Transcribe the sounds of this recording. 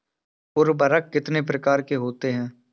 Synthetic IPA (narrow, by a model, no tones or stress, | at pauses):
ʊɾbəɾəkːɪt̪nep̬ɾɐkaːɾkeɦoːt̪eɦɛ̃ː